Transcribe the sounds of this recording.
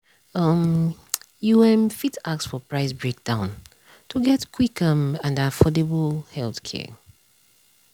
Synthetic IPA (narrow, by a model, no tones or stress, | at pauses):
ʌm | juɛ̃mfitaksfɔpɹaɪsbɹek̚d̥ãʊ̃n | tʰuɡɛtkʰw̥ikʌ̃mãnafɔdɛblhɛlθkʰɛ̰